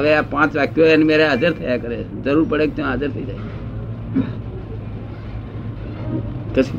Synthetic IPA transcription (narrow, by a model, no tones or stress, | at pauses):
ʋepãːt͡ʃʋaːkjoenmeːɾead͡ʒəɾt̪ʰəjakəɾezəɾuːɾpəɽeːkt̪ãad͡ʒəɾt̪ʰəid͡ʒaː | kəs